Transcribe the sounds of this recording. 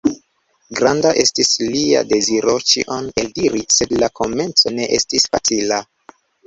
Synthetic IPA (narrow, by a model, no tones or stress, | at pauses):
ɡɾandaʔe̞stislia̰de̞ziɾo̞t͡ʃḭʔone̞ldiɾise̞dlakʰo̞me̞nt͡so̞ne̞ʔe̞stisfa̰t͡sila